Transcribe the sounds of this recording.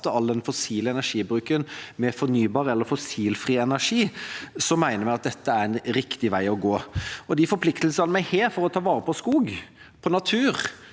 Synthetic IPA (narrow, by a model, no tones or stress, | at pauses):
t̪ːəɑld̪ɛnfɔsiːləɛnæʂiːbɾʉːkənmɛfɔɾnyːbɑːɾəɛlːəɾfɔsiːlfɾiːɛnæʂiːsɔmæɪnəɾmɪɑt̪̚d̪ɛt̪ːəæɾɛnɾɪkt̪ɪʋæɪɔɡoːɔd̪ɪfɔɾpʰlɪkt̪əlsɑlmæɪheːɾfɔɾɔt̪ʰɑːʋɑːʁəpʰɔskuːɡ | pʰɔnɑt̪ʰʉːʁ